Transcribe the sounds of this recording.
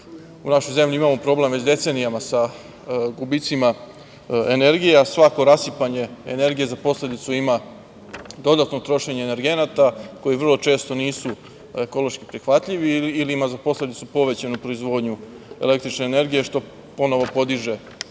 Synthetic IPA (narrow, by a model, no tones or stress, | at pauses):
unaʃo̞jze̞mʎʲiimamo̞pɾo̞ble̞mʋet͡ɕd̪e̞t̪se̞nijamasa | ɡubit̪sima | ene̞ɾɡijasʋako̞ɾasipaɲe̞ḛne̞ɾɡije̞zapo̞sle̞d̪it̪suima | d̪o̞d̪at̪no̞t̪ɾo̞ʃe̞ɲeːne̞ɾɡe̞nat̪ako̞jiʋvr̩lo̞t͡ʃe̞ːst̪o̞niːsu | eko̞lo̞ʃkipɾixʋat̪ʎiʋiːliimazapo̞sle̞d̪it̪supo̞ʋe̞t͡ɕanupɾo̞izʋo̞ːd̪ɲu | e̞le̞k̚t̪ɾit͡ʃne̞ːne̞ɾɡije̞ʃt̪o̞ | po̞no̞ʋo̞po̞d̪iʒe̞